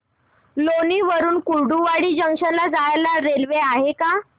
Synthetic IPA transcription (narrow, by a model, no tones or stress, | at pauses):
loniːʋəɾuːnkuɭɖuʋaɽiːd͡ʑəŋʂəlːad͡zajlaɾelʋeaɦeka